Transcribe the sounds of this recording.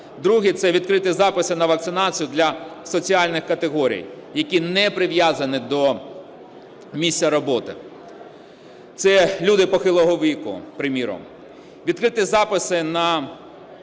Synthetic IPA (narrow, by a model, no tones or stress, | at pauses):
d̪ɾuɦit̪sɛʋʲid̪kɾɪt̪ɪzɑpɪsɪnɐʋɐk̚tsɪnɑt͡sʲijʊd̪lʲɐsɔt͡sʲiɑlʲnɪxkɐt̪eɦɔɾʲḭjjɐkʲinɛpɾɪʋjazɐnɪd̪ɔ | mʲisʲːjɐɾɔbɔt̪ɪ̰ | t̪sɛlʲud̪ɪpɔxɪlˠɔɦɔʋʲikʊ̰pɾɪmʲiɾɔ̰m | ʋʲid̪̚kɾɪt̪ɪzɑpɪsɪnɐ